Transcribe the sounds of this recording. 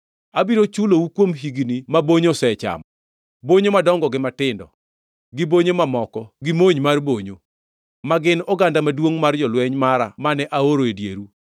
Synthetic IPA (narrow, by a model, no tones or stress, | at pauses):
abiɾot͡ʃuloukwomɦiɡinimaboɲosɛt͡ʃa̰mɔ | boɲomadɔŋɡɔɡɪmatɪndɔ̰ | ɡɪboɲomamɔkɔɡɪmoɲmarboɲo | maɡɪnɔɡandamadwoŋmard͡ʒɔlwɛɲmaɾa̰manɛʔaoɾoedjḛɾu